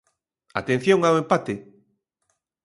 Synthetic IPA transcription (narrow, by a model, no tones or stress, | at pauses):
a̰t̪en̟θjõŋawempat̪e